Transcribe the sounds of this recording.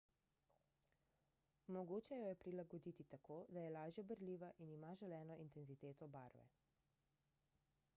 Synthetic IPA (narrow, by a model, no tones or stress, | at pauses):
mɔɡoːt͡ʃɛjɔjɛpɾilaɡɔd̪it̪it̪akoːd̪ajɛlaːʒjɛbəɾliːʋaʔinimaʒɛlɛːnɔʔint̪ɛnzit̪eːt̪ɔba̰ːɾʋɛ̰